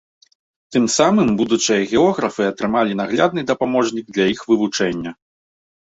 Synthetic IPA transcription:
t̪ɨmsamɨmbud̪ut͡ʂɨjɐɣʲɛɔɣɾɐfɨɐt̪ɾɨmalʲin̪aɣlʲa̰d̪̚nɨd̪ɐpamɔʐnʲiɡ̚d̪lʲɐixvɨvut͡ʂɛnʲːɐ

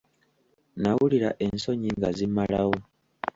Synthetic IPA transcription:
nawuliɾa̰ʔe̞nso̞ɲiŋɡazimalawo̞

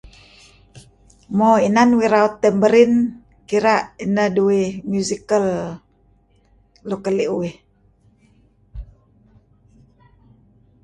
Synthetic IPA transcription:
moinanwiɾaut̪ːəmbəɾin | kiɾaʔinəhduimjuzikəl | lukəliʔuwih

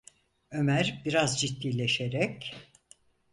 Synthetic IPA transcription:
ø̞mæɾbiɾazd͡ʒit̪ːiːlʲeʃeɾɛc

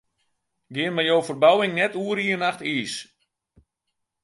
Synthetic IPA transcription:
ɡɪənmajowfərbawɪŋnɛtuəɾiənaxtiːs

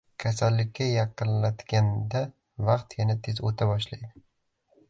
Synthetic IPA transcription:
kʲʰasalːɪkʲʰːajɑqɨnlat̪ɡʲand̪a | vɑqt̪janat̪ʰezot̪ʰabɒʃlajd̪ɪ

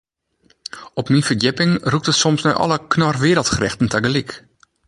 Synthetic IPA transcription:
ɔpminfərjɪpɪŋruk̚tətsɔmsnœjʔɔ̰ləknɔrʋɪːɾəlˠtxrɪxtən̩taɡəlik

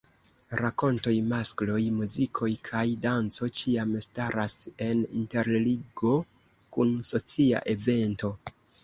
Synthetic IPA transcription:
ɾako̞nto̞jmasklo̞jmuzikʰo̞jkʰajdant͡so̞t͡ʃiamstaɾase̞nḭnte̞ɾliɡo̞ | kunso̞t͡sia̰ʔe̞ve̞nto̞

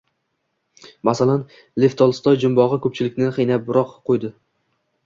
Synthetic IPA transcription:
masalan | left̪ʰɒlˠst̪ʰɒjd͡ʒʊmbɒʁɨkʰɵp̚t͡ʃʰɪlɪkʲnɪχijnap̚bʊɾɒqqʰːojd̪ɪ

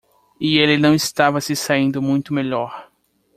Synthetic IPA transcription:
ɪelɪnɐ̃w̃ɪst̪avɐsɪsaĩnd̪ʊmũj̃t̪ʊmeʎɔɾ

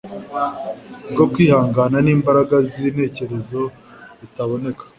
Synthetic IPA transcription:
ɡo̞kwiːhaːŋɡaːnaniːmbaɾaɡazine̞ːce̞ɾe̞zo̞ | zitaβo̞ne̞kḁ

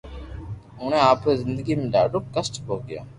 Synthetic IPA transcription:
ʊɳẽːaːpezɪnd̪əɡiːmẽːɖa̰ːɖoːkəsʈboːɡɪja̰ː

